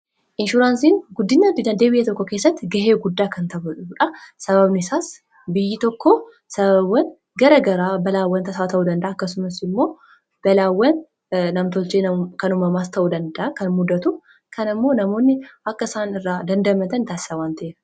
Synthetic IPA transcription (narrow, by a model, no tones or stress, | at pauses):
ʔɪnʃʊɾaːnsiːŋɡʊd̪ːɪnːɐt̪ːɪd̪ɐd̪eːbɪjɛt̪ɔkːɔke̞ːsːɐt̪ːɪɡɐɦeːɡʊd̪ːaːkɐnt̪ɐbʊᶑʊuᶑɐsɐβɐbnɪsaːs | bɪjːɪt̪ɔkːo | sɐβɐwɐn | ɡɐɾɐɡɐɾaːbɐlaːwːɐnt̪ɐsaːt̪ɐʔud̪ɐnd̪ɐʔaːkːɐsʊmɐsɪmːo̞ː | b̥ɐlaːwːɐn | nɐmt̪ɔlt͡ʃeːnɐkɐnʊmɐmast̪ʰɐʔud̪ɐnd̪ɐʔakɐnmʊd̪ːɐt̪u | kʰɐnɪmːo̞ːnɐmo̞ːnːɪɐkːɐɪsaːnɪrːaːd̪ɐnd̪ɐmɐt̪ɐnt̪aːsɪ̥sɐwaːnt̪ɐʔeːɾɐ